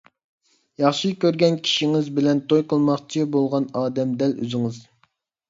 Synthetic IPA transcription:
jɑχʃikʲøɾɡʲɛnkʲʰi̥ʃiŋɪzbɪlɛnt̪ʰojqəlˠmɑχt͡ʃʰibolˠʁɑnɑːd̪ɛmd̪ɛlø̰zɪŋɨz

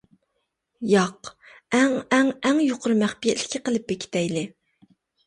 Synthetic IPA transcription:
jɑq | ɛŋɛŋɛŋjoqʰʊɾmæχpijɛt̪lɪ̥kʲʰːɪqəlˠɨp̚bekʲʰi̥t̪ɛjlɪ

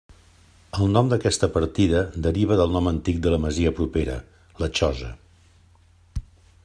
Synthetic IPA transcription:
əlˠnɔmd̪əkɛst̪əpəɾt̪iðəd̪əɾiβ̞əðəlˠnɔmənt̪ik̚d̪ələməziəpɾupeɾə̰ | lət͡ʃɔzə̰

